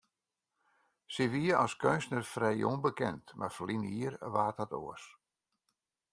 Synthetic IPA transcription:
siʋiəʔɔskønsnərfrɛjonbəkɛntmʔa̰rfəliniəɾʋaːthato̰əs

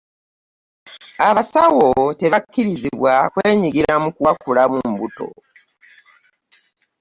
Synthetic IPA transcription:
aβasawote̞βakːiɾiziβwakweːɲiɡiɾamukuwakulamumbuto̞̰

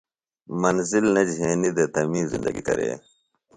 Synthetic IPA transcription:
mɐnzilnɐd͡ʑɦeːnid̪ɐt̪ɐmiːzḭnd̪ɐɡikɐ̰ɾḛː

